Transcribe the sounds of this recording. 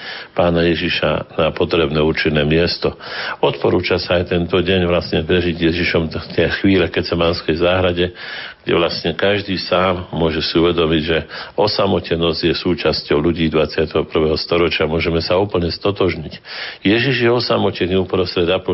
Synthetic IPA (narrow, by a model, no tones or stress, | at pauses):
paːnajɛʒiʃa̰napɔt̪ɾɛbnɛːuɾt͡ʃinːɛːmɪɛst̪ɔɔt̪pɔɾuːt͡ʃasaːjt̪ɛnt̪ɔɟɛɲʋlasɲɛpɾɛʒiɟjɛʒiʃɔmt̪ɪɛxʋiːlɛkɛt͡sɛmanskɛjzaːɦɾaɟɛɡ̥ɟɛ̰ʋlasɲɛkaʒd̪iːsaːmːʊɔʒɛsiuʋɛd̪ɔmiɟʒɛɔsamɔcɛnɔzɟjɛsuːt͡ʃascɔʊʎuɟiːd̪ʋat͡sɪat̪ɛɦɔpr̩ʋɛːɦɔst̪ɔɾɔt͡ʃɪamʊɔʒɛmɛsauːpl̩ɲɛst̪ɔt̪ɔʒɲicjɛʒiʒjɛɔsamɔcɛɲupɾɔst̪ɾɛd̪apɔ